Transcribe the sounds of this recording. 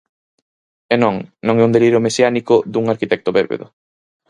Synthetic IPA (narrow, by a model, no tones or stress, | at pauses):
enõŋnõŋɛund̪eliɾomesjanikʊðuŋaɾkit̪ɛk̚t̪oβeɾβḛðʊ̰